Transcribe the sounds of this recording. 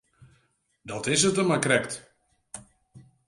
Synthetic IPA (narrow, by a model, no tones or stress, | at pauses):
dɔtɪs̬ətəmakrɛkt